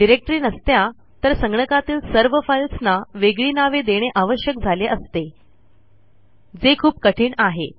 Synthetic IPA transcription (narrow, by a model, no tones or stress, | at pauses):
ɖiɾek̚ʈɾiːnəst̪ja | t̪əɾsəŋɡɳəkat̪iːlsəɾʋəfajlsnaʋeɡɭiːnaʋed̪eɽ̃eʔaʋəɕjək̚d͡zʱaleʔəst̪e | d͡zekʰuːp̚kəʈʰiːɳaɦḛ